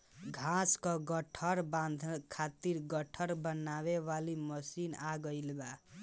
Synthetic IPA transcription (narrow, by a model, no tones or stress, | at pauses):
ɡʱãskɔɡʌʈʰʌɾband̪ʱkʰat̪iɾɡʌʈʰʌɾbʌnaβeβalimʌsinaɡʌjlba